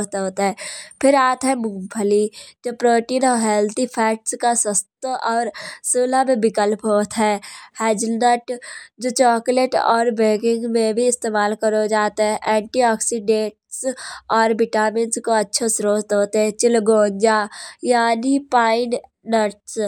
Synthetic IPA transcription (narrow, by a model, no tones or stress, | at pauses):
t̪ɦoːt̪aɦɛ̃ːpʰɪɾaːt̪ɦɛmʊpʰəlid͡ʒoːpɾoːʈiːnɔːɦɛːlt̪ʰipʰɛːʈskasəst̪ɔːɾsuːlamẽbɪkəlpɦoːt̪ɦɛhɛːd͡ʒnəʈd͡ʒoːt͡ʃɔːkleʈɔ̰ːɾbeːɡɪ̃ŋɡmẽbʱiɪst̪eːmaːlkəɾod͡ʒaːt̪eɦɛ̃ʔɛ̃ːɳʈiɔːksiɖẽːʈsɔːɾbɪʈaːmɪ̃nskoɐtːʃʰosɾoːt̪ɦoːt̪eɦɛ̃t͡ʃɪlɡõːɲd͡ʒajaːnipaːɪn | nəʈs